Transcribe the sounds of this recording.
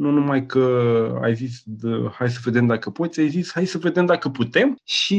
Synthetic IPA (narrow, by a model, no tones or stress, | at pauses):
nunumajkəa̰jzisʲəhajs̬əve̞d̪e̞md̪akəpo̞t̪sʲajzisʲhajsəve̞d̪e̞md̪akəput̪e̞mʃi